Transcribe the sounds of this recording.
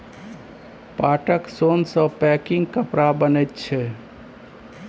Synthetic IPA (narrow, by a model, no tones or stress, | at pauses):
paʈəksonsə̃pɛkɪ̃ŋɡ̚kəpɾabənət̪̚t͡ʃʰɛ